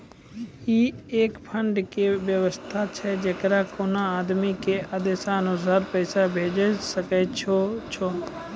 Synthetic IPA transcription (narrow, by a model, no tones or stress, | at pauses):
iːeːkpʰə̃ɳɖkeʋjəʋəst̪ʰat͡ʃʰɛd͡ʒeːkɾakoːnãːd̪mikeʔəd̪eːsaənʊsaːɾpəɪsabʱeːd͡ʒəsəkɛːt͡ʃʰot͡ʃʰɔː